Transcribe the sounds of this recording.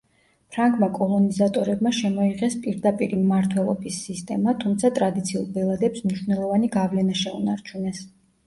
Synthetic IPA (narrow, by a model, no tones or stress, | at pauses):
pʰɾaŋɡʼmakʼɔlˠɔnizat̪ʼɔɾɛbmaʃɛmɔiʁɛspʼiɾd̪apʼiɾimːaɾt̪ʰwɛlˠɔbisːist̪ʼɛmat̪ʰumt̪sʰat̪ʼɾad̪it̪sʰiṵlˠbɛlˠad̪ɛpsmniʃwvnɛlˠɔvaniɡavlɛnaʃɛunaɾt͡ʃʰunɛs